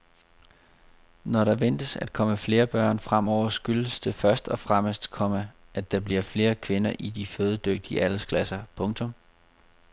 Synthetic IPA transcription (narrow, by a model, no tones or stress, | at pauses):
nɒɾɑ̈ʋen̰d̥əsæd̥̚kʰɒ̽məfle̝ːɐb̥ɶɐ̰nfʁam̰ɒʊ̰ɐsɡ̥yləsd̥e̝fɶɐsd̥ɒ̽fʁaməsd̥kʰɒ̽mə | ʔæ̥ɑ̈b̥liɐfle̝ːɐkʰʋe̝nɐʔid̥iføːð̞ˠəd̥øɡ̥̚d̥iəælskʰlæsɐpʰɔ̽ŋt͡sʰɔ̽m